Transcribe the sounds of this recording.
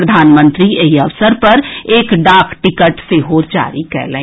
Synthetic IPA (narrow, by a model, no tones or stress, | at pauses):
ɾəd̪ʱaːnmə̃nt̪ɾieɦiəʋsəɾpɐɾeːkɖaːkʰʈɪkəʈseɦoːd͡ʒa̰ːɾikɛ̰ɾlɛ̰̃